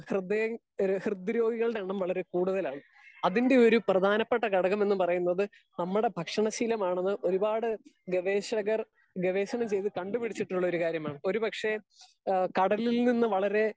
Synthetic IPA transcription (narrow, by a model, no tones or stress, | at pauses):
hrɨd̪ɐ | hrɨd̪ːiɾo̞ːɡiɣɐɭɽeɳːɐmʋɐɭɐɾe̞kuːɽuðɐlaːɳɨ | ɐðinde̞o̞ɾuprɐd̪ʱaːnɐpːeʈːɐkɐɽɐɣɐme̞nːɨpɐrɐjunːɐðɨ | nɐmːuɽe̞bʱɐkʂɐɳɐɕiːlɐmaːɳenːɨʔo̞ɾubaːɽɨɡeʋeːɕɐɣɐr | ɡeʋe̞ːɕɐɳɐmt͡ɕe̞jt̪ɨkɐɳɖupiɽit͡ɕːiʈːuɭːɐoɾukaːɾjɐmaːɳɨo̞ɾupɐkʂe̞ | kɐɽɐlilninːɨʋɐɭɐɾe̞